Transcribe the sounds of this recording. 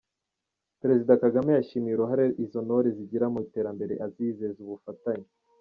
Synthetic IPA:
peɾe̞zidakaɡamejaʃimiɾeɦaɾeʔizo̞noɾiziɟiɾamuite̞ːɾambe̞ɾe̞̰ʔaziːzezuβufataɲe

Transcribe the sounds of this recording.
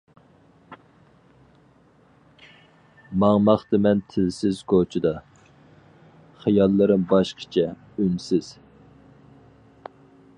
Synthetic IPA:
mɑŋmɑχt̪ɨmɛnt̪ʰɪlsɪzkot͡ʃʰɪd̪ɑ | χijɑlˠːɨɾɨmbɑʃqʰə̥t͡ʃʰɛ | ynsɪz̥

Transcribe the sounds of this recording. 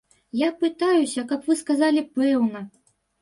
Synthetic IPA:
japɨt̪ajusʲɐkɐpvɨskazalʲipɛwnɐ

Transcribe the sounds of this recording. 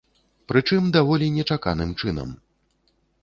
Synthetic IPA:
pɾɨt͡ʂɨmd̪avɔlʲinʲɛt͡ʂaka̰nɨmt͡ʂɨnɐ̰m

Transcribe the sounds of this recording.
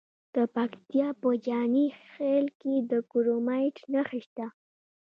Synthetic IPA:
d̪̥əpakt̪jɑpəd͡ʒɑnixelked̪əkuɾomajʈnaxiʃt̪a

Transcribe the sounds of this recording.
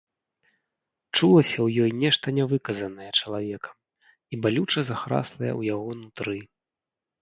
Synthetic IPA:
t͡ʂulˠɐsʲɐwjɔjnʲɛʂt̪ɐnʲɛvɨkɐzɐnɐjɛt͡ʂɐlˠavʲɛkɐ̥ | ibalʲut͡ʂɐzaxɾa̰slˠɐjɛ̰wjaɣɔnut̪ɾɨ

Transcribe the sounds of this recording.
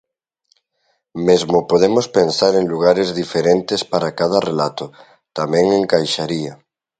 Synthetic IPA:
mezmʊpoð̞emospensaɾeŋluɣ̞aɾezðifeɾent̪espaɾakað̞ɐrelat̪o | t̪amɛ̃ŋeŋkajʃaɾia

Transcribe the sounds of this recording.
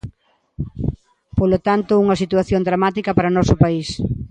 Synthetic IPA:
polot̪ant̪ʊuŋɐsit̪waθjond̪ɾamat̪ikɐpaɾɐonɔsʊpais

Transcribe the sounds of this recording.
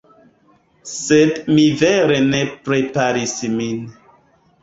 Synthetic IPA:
sedmiveɾenepɾepaɾismin

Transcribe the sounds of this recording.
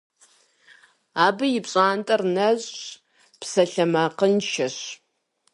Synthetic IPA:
aːbɨjɪpɕʼaːntʼɐrnɐʑʼ | psɐɬɐmaːqənʃʰɐɕ

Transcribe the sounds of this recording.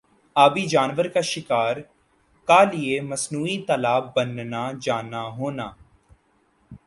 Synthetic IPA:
aːbiːd͡ʒaːnʋəɾkaːʃɪkaːɾ | kaːlɪeːməsnuːiːt̪əlaːbːənnaːd͡ʒaːnaːɦoːnaː

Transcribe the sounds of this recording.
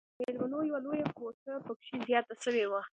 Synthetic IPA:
meɾmanojawalojakosəpəkʃizjɑt̪aʃəwewa

